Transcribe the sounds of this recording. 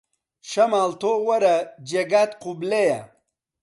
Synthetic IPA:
ʂɐmaːlt̪owɐɾɐd͡ʑeɡaːt̪qubleja

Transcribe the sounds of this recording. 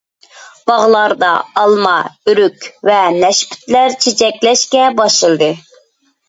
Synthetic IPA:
b̥ɑʁlˠɑɾd̪ɑ̰ɑlˠmɑyɾykʲvɛnɛʃpʰy̥t̪læɾt͡ʃʰet͡ʃʰɛkʲlɛʃkʲɛbɑʃɨlˠd̪ɨ

